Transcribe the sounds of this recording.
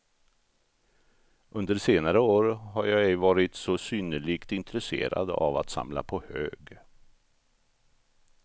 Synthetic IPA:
ʔɵnd̪əseːnaɾəoːɾɦaɾjɑɛjvɑːɾɪt̪sɔsyːnəɭiːkt̪ɪnt̪ɾɛsḛːɾa̰d̪a̰va̰t̪sa̰mla̰pʰɔhø̰ːɡ

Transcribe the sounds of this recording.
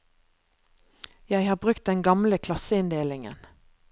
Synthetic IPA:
jæɪhɑːbʁʉkt̪̚d̪ɛŋɡɑmləkʰlɑsəɪnd̪eːlɪŋə̰n

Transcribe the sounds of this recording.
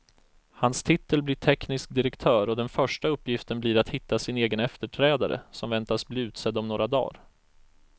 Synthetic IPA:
hanst̪ʰɪt̪ːəlblɪʈʰɛknɪsk̚d̪ɪɾɛkt̪ʰœːɾɔd̪ɛnfœʂʈaɵpːjɪft̪ənblɪɾat̪hɪt̪ːasɪneːɡənɛft̪əʈʰɾɛːd̪a̰ɾə̰sɔmvɛnt̪asbliːʉ̟ːt̪sɛd̪ːɔmnoːɾad̪ɑ̰ːɾ

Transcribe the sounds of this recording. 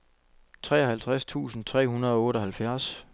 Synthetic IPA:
t͡sʰʁɛːɒhælt͡sʰʁast͡sʰṵːsn̩t͡sʰʁɛ̰ːɦunɐð̞ˠɒɔ̽ːɾɒ̽hælfjæɐs

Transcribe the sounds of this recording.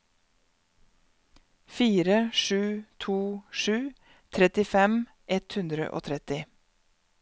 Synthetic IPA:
fiːɾəʃʉːt̪ʰuːʃʉː | t̪ʰɾɛt̪ɪfɛm | ʔɛt̪hʉnd̪ɾə̰ʔo̰ːt̪ʰɾɛt̪ɪ

